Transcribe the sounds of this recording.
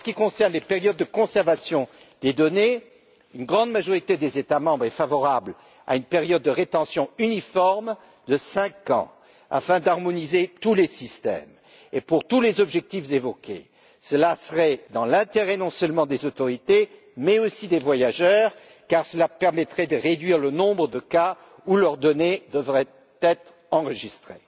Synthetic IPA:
səkʲikɔ̃sɛʁnlepeʁjɔd̪ːəkɔ̃sɛʁvasjɔ̃ | d̪ed̪ɔne | ynɡʁɑ̃d̪maʒɔʁit̪ed̪ezet̪amɑ̃bʁɛfavɔʁabl | a̰ynpeʁjɔd̪̚ːəʁet̪ɑ̃sjɔ̃ynifɔʁm | d̪əsɛ̃kɑ̰̃ | a̰fɛ̃d̪aʁmɔnizet̪ulesist̪ɛ̰m | epuʁt̪ulezɔbʒɛk̚t̪ifzevɔkʲḛ | səlasəʁɛd̪ɑ̃lɛ̃t̪eʁɛnɔ̃sœlmɑ̃d̪ezot̪ɔʁit̪e | mɛosid̪evwajaʒœːʁ | kaʁsəlapɛʁmɛt̪χɛd̪əʁed̪ɥiʁlənɔ̃bʁəd̪əka | ulœʁd̪ɔned̪əvʁɛ | t̪ɛt̪χ | ɑ̃ʁəʒist̪χe

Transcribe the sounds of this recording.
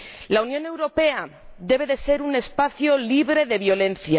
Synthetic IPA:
launjõ̞ne̞wɾo̞pe̞a | d̪e̞β̞e̞ðe̞se̞ɾune̞spaθjo̞liβɾe̞ðe̞βjo̞lẽ̞nθja

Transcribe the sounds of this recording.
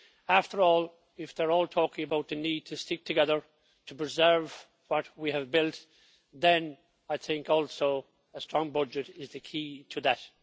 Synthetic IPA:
æftʰə˞ɔl | ɪfðə˞ɔːlˠtʰɔkɪ̃ŋəbaʊt̪̚ðɨnid̚tʰɨstɪk̚tʰɨɡɛðə˞ | tʰəpɹ̥ɨzɜ˞v | wʌt̚wiɨvbɪlˠt | ðɨ̃n | aɪθɪ̃ŋkɔlˠsoʊ | əstɹ̥ɔ̃ŋbʌd͡ʒɨɾɪzðɨkʰiɾʰɨðɨt

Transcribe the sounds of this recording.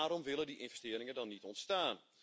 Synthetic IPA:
aːɾɔmʋɪlˠədiʔɪnvɛstɪəɾɪŋədɔnːitɔntstaːn

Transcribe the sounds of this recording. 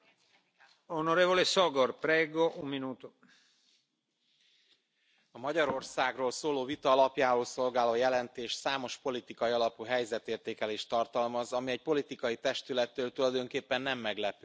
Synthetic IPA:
onoɾeːvolesoɡorpɾeːɡoʔumminuːt̪u | ɒmɒɟɒɾo̞rsaːɡroːlsoːloːvit̪ɒɒlɒpjaːvoːlso̞lɡaːloːjɛlɛnt̪eːʃsaːmo̞ʃpo̞lit̪ikɒjiɒlɒpuɦɛjzɛt̪eːrt̪eːkɛleːʃt̪ɒrt̪ɒlmɒzɒmiɛɟ̚po̞lit̪ikɒjit̪ɛʃt̪ylɛt̪ːøːlt̪ulɒjd̪o̞ŋkeːpːɛnːɛmːɛɡlɛpy̥

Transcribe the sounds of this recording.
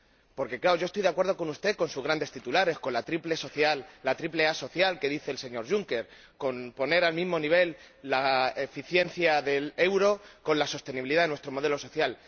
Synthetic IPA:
po̞ɾke̞klaoʝost̪ojðakwe̞ɾðo̞ko̞nust̪eko̞nsuzɣɾand̪e̞st̪it̪ulaɾe̞sko̞nlat̪ɾiple̞soθjalːat̪ɾiple̞aso̞θjalke̞ðiθe̞ːlse̞ɲo̞ɾʝuŋke̞ɾ | ko̞npo̞ne̞ɾalmĩzmo̞niβ̞e̞lː | aefiθje̞n̟θjaðe̞le̞wɾo̞ko̞nlaso̞st̪e̞niβiliðaðwe̞st̪ɾo̞mo̞ð̞e̞lo̞so̞θjal

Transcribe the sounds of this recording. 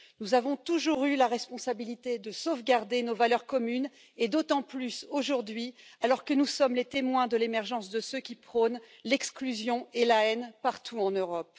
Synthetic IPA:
nuzavɔ̃t̪uʒuʁylaʁɛspɔ̃sabilit̪ed̪əsovɡaʁd̪enovalœʁkɔmyn | ed̪ot̪ɑ̃plysoʒuʁd̪ɥialɔʁkənusɔmlet̪emwɛ̃d̪əlemɛʁʒɑ̃sd̪əsøkʲipχɔnlɛksklyzjɔ̃elaɛnpaʁt̪ʰuɑ̃nøʁɔp

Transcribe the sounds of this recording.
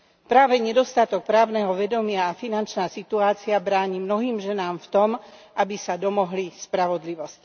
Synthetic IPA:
pɾaːʋɛɲɛd̪ɔst̪at̪ɔk̚pɾaːʊnɛɦɔʋɛd̪ɔmɪaːfinant͡ʃnaːsit̪uaːt͡siabɾaːɲimnɔɦiːmʒɛnaːmft̪ɔmʔabisad̪ɔmɔɦlispɾaʋɔd̪liʋɔsc

